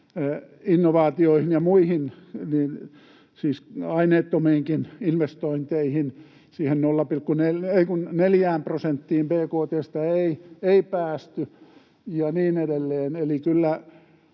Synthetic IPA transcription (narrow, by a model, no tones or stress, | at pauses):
inːoʋɑːt̪ioihinjɑmuihinniːn | siːsɑineːt̪ːomiːŋkininʋest̪oint̪eihin | siːhennolːɑpilkkːuneleikunneljæːmprosent̪ːiːmpeːkoːt̪eːst̪ɑeieipæːst̪y | jɑniːnedelːeːnelikylːæ